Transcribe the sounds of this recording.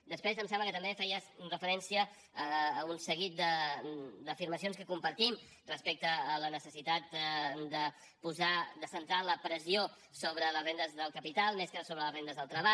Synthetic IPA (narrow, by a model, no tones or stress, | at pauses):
d̪əspɾezəmsɛ̃mbləkət̪əmbefɛjəsrəfəɾɛnsiəː | unsəɣit̪̚d̪ə | d̪əfiɾməs̬ionskəkumpəɾt̪im | rəspek̚t̪əːlənəsəsit̪at̪d̪ə | puzad̪əsənt̪aləpɾəzio | soβ̞ɾələzβɛnd̪əzðəlˠkəpit̪alˠmeskəsoβɾələzβɛnd̪əzðəlˠt̪ɾəβa